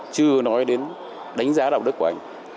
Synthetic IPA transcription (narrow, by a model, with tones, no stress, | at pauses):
t͡ɕɨ˧ənɔ˨˦jɗe˨˦n | ɗa˨˦jŋ̟zaː˨˦ɗa˨˩w̚ɗɨ˦˥ku˧˩ʔa˧˩ŋ̟